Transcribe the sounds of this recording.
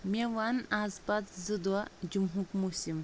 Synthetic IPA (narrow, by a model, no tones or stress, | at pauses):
meʋanazpat̪zɨd̪wad͡ʒumɦukmusim